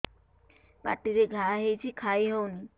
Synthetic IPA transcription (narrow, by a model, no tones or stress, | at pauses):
ba̰ʈːid̪eɡʱaɦejt͡ɕʰikʰajɦɔwni